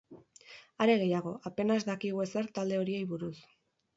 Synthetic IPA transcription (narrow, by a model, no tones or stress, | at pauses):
aɾe̞ɣ̞e̞jaɣ̞o̞ape̞nazd̪akiɣue̞se̞ɾt̪ald̪e̞o̞ɾie̞jβuɾus